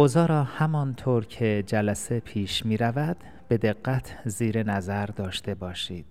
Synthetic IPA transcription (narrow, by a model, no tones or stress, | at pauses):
ʔozɒːɾɒːhæmɒnt̪ʰoːɾcʰe̞d͡ʒælæse̞pʰiːʃmiːɾævæd̪̥ | b̥e̞d̪e̞ɡːæt̪ʰziːɾe̞næzæɾd̪ɒːʃt̪e̞bɒːʃiːd̪̥